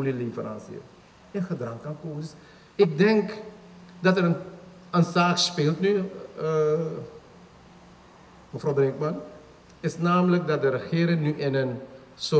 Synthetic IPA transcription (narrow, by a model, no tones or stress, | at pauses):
lilifəra̰nsḭə̰ | ənχədrɑŋkɑnkoːsɪs | ɪk̚dɛŋk | dɑtərə | ənsaːkspɪːlˠtny | məfrowbrɛŋkmɑn | ɪsnaːmələk̚dɑt̚dəɾəχɪːɾɪŋnyʔɪnən | so